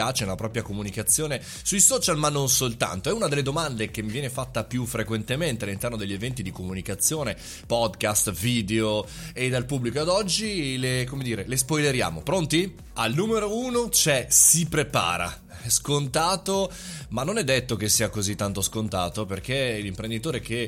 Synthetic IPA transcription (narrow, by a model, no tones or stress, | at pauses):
at͡ʃeunapɾɔːpɾjakomunikat̪sːjoːne | sujsɔːt͡ʃalmanːonsolt̪a̰nt̪oɛunad̪elːed̪omand̪ek̟emːivjɛnefat̪ːapjufɾekwent̪ement̪ealːint̪ɛrnod̪eʎːevɛnt̪id̪ikomunikat̪sːjoːne | pɔd̪kast̪viːd̪eo | ed̪alpubːlikoad̪ɔd͡ʒːilekomed̪iːɾelespɔjleɾja̰ːmo̰pɾont̪i | alnuːmeɾouːnot͡ʃɛsipɾepa̰ːɾa̰ | ɛskont̪aːt̪o | manːonɛd̪ːet̪ːokesːiːakozit̪ːant̪oskont̪aːt̪operkelimpɾend̪it̪oːɾeke